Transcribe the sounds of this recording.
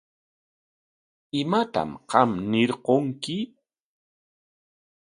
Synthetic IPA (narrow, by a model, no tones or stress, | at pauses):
ɪmat̪a̰mqɑmnɪɾqoŋkɪ